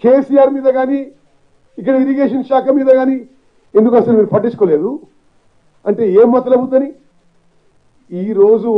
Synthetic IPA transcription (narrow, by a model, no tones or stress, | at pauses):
keːsiːjaːɾmiːd̪ɐɡaːni | ik̬ːɐɽɐiɾiɡeːʃ̬ɐnʃaːkʰɐmiːd̪ɐɡaːni | e̞nd̪ukɐsɐlumiːɾupɐʈːit͡ʃu̥koːle̞ːd̪u | ɐɳʈe̞ːeːmːɐt̪ːɐlɐbut̪nɐni | iːɾo̞ːd͡ʒu